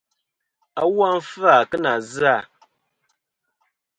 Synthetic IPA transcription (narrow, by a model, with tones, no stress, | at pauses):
a˦wa˦m̩˦fa˨kə˦na˨za˦˨